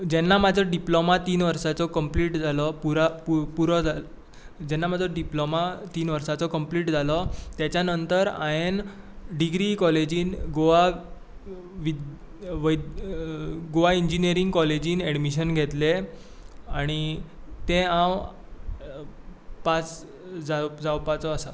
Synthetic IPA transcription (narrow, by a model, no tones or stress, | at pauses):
d͡ʑɛnːamad͡zʱɔɖiplomat̪iːnʋəɾsat͡sɔkəmpliːʈd͡zʱalɔpuɾappuɾɔd͡zʱa | d͡ʑɛnːamad͡zʱɔɖiplomat̪iːnʋəɾsat͡sɔkəmpliːʈd͡zʱalɔt̪jat͡ɕjanənt̪əɾa̰jen | ɖiɡɾikɔled͡ʑiːnɡoʋa | ʋi | ʋəj | ɡoʋaiɲd͡ʑinijəɾiŋɡkɔled͡ʑiːnɛɽmiɕənɡʱɛt̪le | aɽ̃it̪ẽãw | pat͡s | d͡zad͡zawpat͡sɔːsa